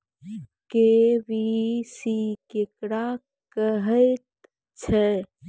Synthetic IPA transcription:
keʋisikekɾa | kəɦəjt̪̚ | t͡ʃʰɛ

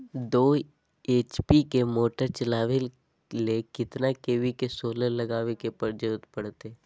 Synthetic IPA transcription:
d̪oː | eːt͡ʃpikemoːʈəɾt͡ʃɐlaːʋɪl | lekɪt̪nakeːʋikesoːləlɐɡaːʋekepɐɾd͡ʒəːt̪pɐɽt̪e

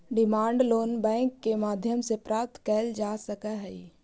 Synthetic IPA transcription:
ɖɪmaːɳɖloːnbɛ̃ːŋkːemaːd̪ʱjəmsepɾaːp̚t̪kɛːld͡ʒaːsəkaɦɛi

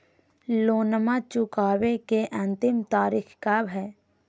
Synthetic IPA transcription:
loːnəmat͡ʃʊkaːwekeʔɐ̃nt̪ɪmt̪aːɾiːkʰkabʱɛː

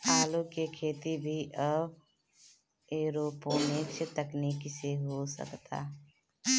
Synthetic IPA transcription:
aːlukekʰeːt̪ibʱiʔəb | eːɾoːpõmekt͡ʃʰt̪əkniːkseɦosə̰kt̪a̰ː

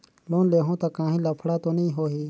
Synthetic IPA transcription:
loːnleːɦõːt̪akãːɦĩːlɐpʰɽaːt̪oːnĩːɦoːɦiː

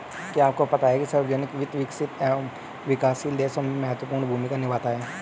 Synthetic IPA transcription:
kiaːp̚kopɐt̪aɛkisɐɾbd͡ʒənɪkʋɪt̪ʋɪksɪt̪ɛ | ʋɪkaːsileːsɐmmɛɦət̪wəpuːɾɳbʱuːmikanɪʋaːt̪aɦɛː

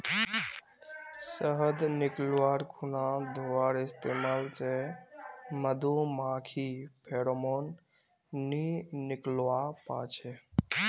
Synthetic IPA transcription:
səɦəd̪nɪklʋaɾkʰunãd̪ʱoʋaɾɪst̪emaːlt͡ʃe | məd̪ʱumãːkʰipʰeɽomon | nːiniklwapa̰t͡ʃʰe

